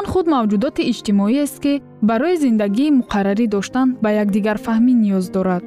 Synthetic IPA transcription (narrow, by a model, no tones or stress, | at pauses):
nχud̪mavd͡ʒud̪ɔt̪iːd͡ʒt̪imɔiest̪̚ki | baɾɔizind̪aɡiːmuqʰaɾaɾid̪ɔʃt̪anbajaɡd̪iɡaɾfahminijɔzd̪ɔɾad̪̥